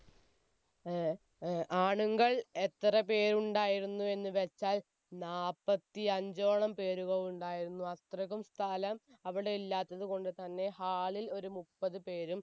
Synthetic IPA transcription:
ʔaːɳuŋɡɐɭet̪ːrɐpe̞ːɾuɳɖaːjiɾunːue̞nːɨʋet͡ɕːaːl | naːpːɐt̪ːiɐɲd͡ʑo̞ːɳɐmpe̞ːɾuɣɐʋuɳɖaːjiɾunːuɐt̪rɐɣumst̪ʰaːlɐmɐʋiɽe̞ilːaːt̪ːɐðuko̞ɳɖɨt̪ɐnːe̞haːɭilo̞ɾumupːɐðɨpe̞ːɾum

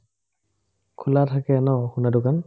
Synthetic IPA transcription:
kʰulatʰakɛnɔxunadʊkan

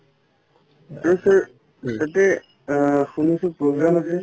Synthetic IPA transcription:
aɹusaɹ | satɛ | xunisʊpɹoɡɹamasɛ

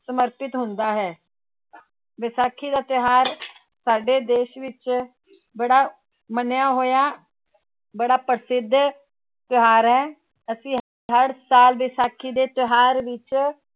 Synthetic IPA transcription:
səməɾpɪt̪ɦʊnd̪aːɦɛː | ʋɪsaːkʰiːd̪aːt̪ɪɦaːɾ | saːɖeːd̪eːʃʋɪt͡ʃ | bəɽaː | mənjãːɦoːjãː | bəɽaːpəɾsɪd̪ʱː | t̪ɪɦaːɾɦɛː | əsĩː | ɦəɾsaːlʋɪsaːkʰiːd̪eːt̪ɪɦaːɾʋɪt͡ʃ

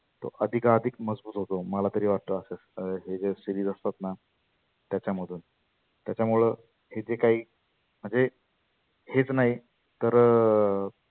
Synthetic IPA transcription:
t̪o̰ʔəd̪ʱikaɾd̪ʱikməd͡zbuːt̪ɦot̪oməlat̪əɾiːʋaɾt̪əːseɦed͡zesiɾiːd͡zəst̪at̪na | t̪jat͡ɕjaməd̪ʱuːn | t̪jat͡ɕjamuɭə | hed͡zekaɦiː | m̤əɳd͡ze | het͡snaɦi | t̪əɾ

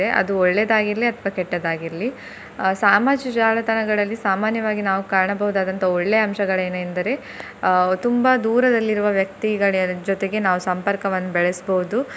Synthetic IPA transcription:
eʔɐ̰d̪uɔɭːed̪aːɡiɾɐliɐt̪ʰʋɐkɛʈːɐd̪aːɡiɾɐli | saːmaːd͡ʒid͡ʒaːlɐt̪ɐnɐɡɐɭɐlːisaːmaːnjɐʋaːɡinaːʋukaːɾɐɳɐbɐɦud̪aːd̪ɐnt̪ʰɐɔɭːe̞ɐmʃɐɡɐɭeːnuend̪ɐɾe̞ | t̪umbɐd̪uːɾɐd̪ɐlːiɾuʋɐʋjɐk̚t̪iɡɐɭd͡ʒɔt̪e̞ɡe̞naːʋusɐmpɐɾkɐʋɐnːubɛɭesboɦud̪u

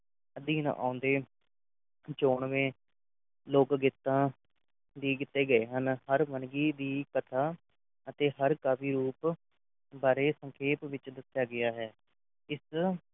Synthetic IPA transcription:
əd̪iːnã̰ːʔã̰ːʊnd̪eː | t͡ʃoːɳʋẽː | loːkɡɪt̪ːãː | d̪iːɡɪt̪ːeːɡəeːɦənhəɾʋənɡiːd̪iːkət̪ʰaː | ət̪eːɦəɾkaːpʰiːɾuːp | baːɾeːsəŋkʰeːpʋɪt͡ʃd̪əsjaːɡɪaːɦɛː | ɪs

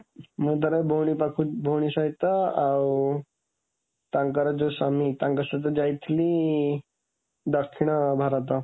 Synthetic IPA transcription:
mut̪əɾabʱoɽ̃ipakʰubʱowɽ̃isajt̪aaw | t̪ãŋkaɾad͡zosamit̪ãŋkəsat̪əd͡ʑajt̪ʰli | d̪əkʰːiɳ̃əbʱaɾat̪̬a

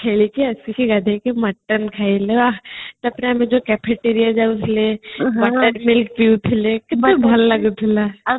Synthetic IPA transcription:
kʰelikiɐsikiɡɐd̪ʱekemɐʈːənkʰaileat̪ɔɐpneɐmẽd͡ʒokɛpʰeʈeɾijad͡ʒaʊsʰlebɐʈəɾmɪlk̚piut̪ʰɪlekɪt̪ebʱɐlːɐɡup̪ʰɪla

